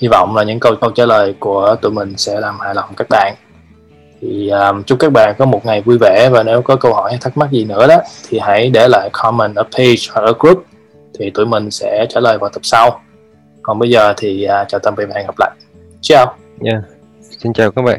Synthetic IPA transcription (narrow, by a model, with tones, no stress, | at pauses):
hi˧vɔ̰˧˨wŋ͡mlaː˨˩ɲɨ̰˧˥ŋkə˧wkə˧wt͡ɕaː˧˩ləː˨˩jku˧˩ət̪ṵ˧˨jmï˨˩ŋ̟sɛ̰˧˥laː˨˩mhaː˧˨jlə˨˩wŋ͡mkaː˦˥k̚ɓa̰ː˧˨n | t̪ʰi˨˩ʔaː˨˩mt͡ɕʊ˦ŋ͡mka˦˥k̚ɓa̰ː˧˨nkɔ˨˦mo˨˩t̚ŋa˨˩jvu˧jvɛ̰˧˩vaː˨˩ne˨˦wkɔ˨˦kə˧whɔ̰˧˩jht̪ʰə˦˥t̚ma˦˥zi˨˩nɨ̰˧˥əɗɔ˨˦t̪ʰi˨˩ɦa̰˧˥jɗe˧˩la̰ː˧˨jkʰɔ˧mə˨˩nʔəː˧˩pʰe˧hwa˨˩k̚ʔəː˧˩˦kɹu˦˥p̚ | t̪ʰi˨˩t̪ṵ˧˨jmï˨˩ŋ̟sɛ̰˧˥t͡ɕaː˧˩ləː˨˩jvaː˨˩t̪ə˨˩p̚sa˧w | kɔ˨˩nɓə˧jzəː˨˩t̪ʰi˨˩ʔaː˨˩t͡ɕaː˨˩wt̪ə˧˩mvḭ˧˨ɓa̰ː˧˨nŋɣa˨˩p̚la̰ː˧˨j | t͡ɕaː˦˨˧w | ɲa˧˩ | si˧nt͡ɕaː˨˩wkaː˦˥ɓa̰ː˧˨